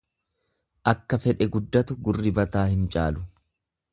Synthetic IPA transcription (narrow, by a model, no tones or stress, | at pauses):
ʔɐkːɐfɛᶑɛɡʊd̪ːɐt̪ʊɡʊrːɪbɐt̪aːhɪnt͡ʃʼa̰ːlʊ